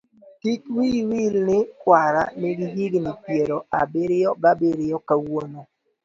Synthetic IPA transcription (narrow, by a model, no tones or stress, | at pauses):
tik̚wiwilnɪkwaɾa̰nɪɡɪɦiɡnɪpjeɾɔa̰bɪɾɪjɔɡabɪɾɪjɔkawono